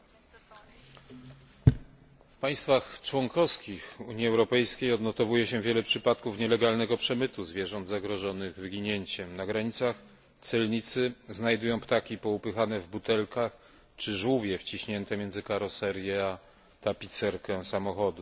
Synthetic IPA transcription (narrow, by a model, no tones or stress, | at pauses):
fpaj̃st̪faxt͡ʂwɔŋkɔfskʲixuɲjiɛwɾɔpɛjskʲejɔd̪nɔt̪ɔvujɛɕɛvʲjɛlɛpʂɘpat̪kufɲɛlɛɡalnɛɡɔpʂɛmɘt̪uzvʲjɛʐɔnd̪zaɡɾɔʐɔnɘɣvɘɡʲiɲeɲt͡ɕɛmnaɡɾaɲit̪sax | t̪sɛlɲit̪sɘznajd̪ujɔ̃w̃pt̪akʲipɔupɘxanɛvbut̪ɛlkax | t͡ʂɘʐwuvʲjɛft͡ɕiɕɲɛnt̪ɛmʲjɛnd̪zɘkaɾɔsɛɾjɛa | t̪apʲit̪sɛɾkɛsamɔxɔd̪u